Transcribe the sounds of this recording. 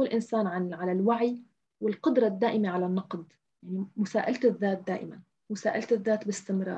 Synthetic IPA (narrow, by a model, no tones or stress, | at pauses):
lʔɪnsaːnʕanʕalalwaʕi | wɪlqʊd̪ɾˤɑd̪ːaːʔɪmeʕalanːɑqd̪ | jaʕnimʊsaːʔalt̪ɪðːaːt̪̚d̪aːʔɪman | mʊsaːʔalt̪ɪðːaːt̪bɪst̪ɪmɾˤɑ̰ːɾ